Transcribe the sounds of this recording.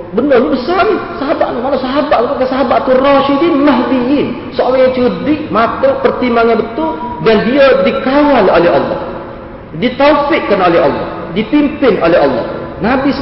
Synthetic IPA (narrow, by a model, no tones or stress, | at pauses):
bənərɲbəsarnɪsaɦabaʔ̪namalasaɦabat̪̚upakasaɦabat̪ːurɔʃidinmaɦbiɪn | səolaat͡ʃədɪʔmat̪əpərt̪imaŋabət̪ʊldandiadikawalolɛɦɑ̰lːɑ̰h | dit̪ofɪʔkanolɛɦɔ̰lːɔ̰h | dipimpɪnolɛɦɑlːɔ̰hnabis